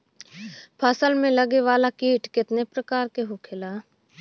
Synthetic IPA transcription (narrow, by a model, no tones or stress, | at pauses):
pʰasəlmẽləɡeʋaːlakiːʈkɪt̪nepɾəkaːɾkeɦokʰɪlaː